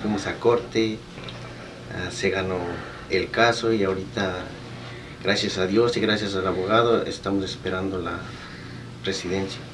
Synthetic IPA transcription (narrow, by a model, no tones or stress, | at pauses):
fwimosako̞ɾt̪e | ase̞ɣano̞ | elkaso̞iaoɾit̪a | ɡɾasjasaðjo̞siɣɾasjas̬alaβo̞ɣaðoḛst̪amosespeɾand̪ola | re̞siðe̞nsja